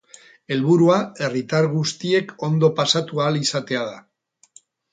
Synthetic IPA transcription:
e̞lβuɾuae̞rit̪aɾɣust̪ie̞kʰo̞nd̪o̞pasat̪uaːlisat̪e̞að̞a̰

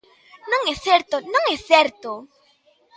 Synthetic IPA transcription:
nõŋeθeɾt̪onõŋɛθɛɾt̪o

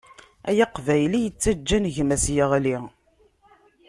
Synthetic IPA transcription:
æjɑqvæjlijət͡sːæd͡ʒːænəʝmæsjəʁli

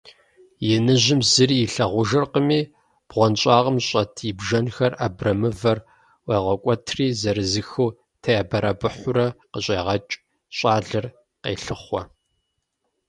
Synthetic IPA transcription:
jɛnɨʑɪmzɨriːɪɬɐʁʷʊʒɐrqəmiː | b̥ʁʷɔnɕʼɑːʁəmɕʼɐtʰibʒɐnxɐrʔabrɐmɨvɐr | weːʁʷɔkʷʼɔtʰriːzɐɾɨzɨxɨw | tʰɐjabɐɾɐbɨħʷʊɾɐqəɕʼeːʁɐt͡ʃʼ | ɕʼɑːɮɨr | qḛːɬɨχʷɔ

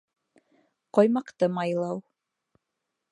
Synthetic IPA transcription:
qojmɑqt̪ɤmɑjlˠɑw

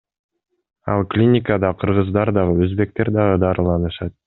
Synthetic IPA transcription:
ɑ̰lˠklʲinʲɪkəd̪ɑqʰɯɾʁɯzd̪ɑɾd̪ɑʁɯøzbe̞k̚t̪e̞ɾd̪ɑʁɯd̪ɑɾɯlˠɑnɯʃɑt̪̚

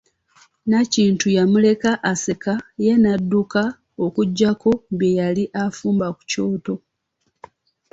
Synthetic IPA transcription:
naciːntujamule̞kaʔase̞kaje̞nadːuka | okuɟːako̞mbjejaliʔafuːmbaku̥co̞ːto̞

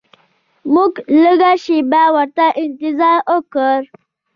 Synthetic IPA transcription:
muɡləɡaʃibawəɾt̪aʔɪnt̪ɪzɑɾokəɾ

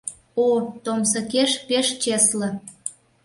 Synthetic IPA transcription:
ot̪omsə̆keʃpeʃt͡ɕeslə̆

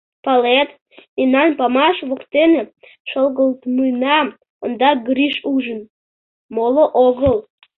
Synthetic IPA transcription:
pɑlet̪ | inɑnpɑmɑʃβokt̪ene | ʃolˠɣəlˠt̪mujnɑ | ond̪ɑɡɾiʃuʒən | moləʔoɣəlˠ

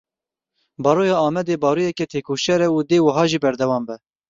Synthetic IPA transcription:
bɑːɾoːjɑːɑːmɛd̪eːbɑːɾoːjɛkɛt̪ʰeːkʰoːʃɛɾɛud̪eːwɐɦɑːʒiːbɛɾd̪ɛwɑːmbɛ

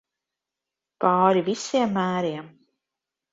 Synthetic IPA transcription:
pɑːɾivisiɛmːæːɾiɛm

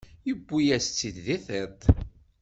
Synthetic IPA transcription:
jəbːijæst͡sːid̪ðiθət̪

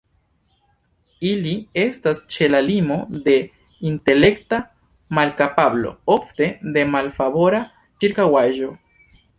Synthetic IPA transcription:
ilie̞stast͡ʃe̞lalimo̞d̪e̞ | inte̞le̞kta | malkapablo̞̰o̞ft̪e̞d̪e̞malfaβo̞ɾa | t͡ʃiɾkawaʒo̞

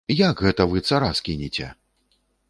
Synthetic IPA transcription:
jaɡɣɛt̪ɐvɨt̪saɾaskʲinʲit͡sʲɛ̰

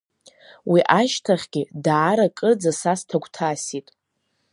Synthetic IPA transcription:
wiʔaʃtʰaχʲɡʲɪdaːɾakʼɨrd͡zasastʰaɡʷtʰasitʼ

